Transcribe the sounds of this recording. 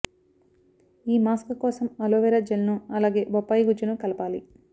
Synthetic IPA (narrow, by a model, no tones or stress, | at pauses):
iːmaːskɐkɔːsɐmɐloːʋɛɾɐd͡ʒɐlɐnuɐlaːɡe̞ːbɔpːaːjiɡud͡ʒɐnukɐlɐpaːli